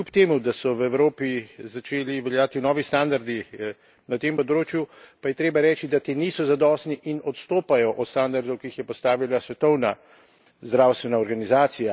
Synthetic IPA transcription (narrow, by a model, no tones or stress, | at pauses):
klupt̪eːmud̪asɔwɛwɾoːpizat͡ʃeːliʋɛljaːt̪inɔːʋist̪and̪aɾd̪i | nat̪empɔd̪ɾoːt͡ʃjupajɛt̪ɾeːbaɾɛːt͡ʃid̪at̪eːniːsɔzad̪ɔːst̪niʔinɔt̪st̪oːpajɔʔɔt̪st̪and̪aɾd̪ɔwkiixjɛpɔst̪aːʋilasʋɛt̪ɔwna | zd̪ɾawst̪ʋɛnaɔɾɡanizaːt̪sija